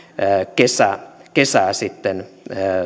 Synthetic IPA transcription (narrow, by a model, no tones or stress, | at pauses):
kesækesæːsit̪ːenː